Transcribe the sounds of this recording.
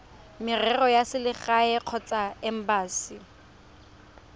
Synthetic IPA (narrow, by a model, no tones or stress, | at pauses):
mɪrɛrɔjasɪlɪχaɛq͡χʰɔt͡sʼaɛm̩baːsi